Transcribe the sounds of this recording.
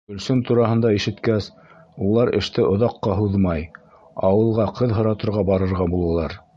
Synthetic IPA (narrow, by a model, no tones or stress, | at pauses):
ɵ̆lsɵnt̪uɾɑɦɤ̆nd̪ɑiʃɘ̆t̪kæs | ulˠɑɾɘ̰̆ʃt̪ɘʔŏðɑqːɑɦuðmɑj | ɑwɤ̆lˠʁɑqʰɤðɦɤ̆ɾɑt̪ɤ̆ɾʁɑbɑɾɤ̆ɾʁɑbulˠɑlˠɑɾ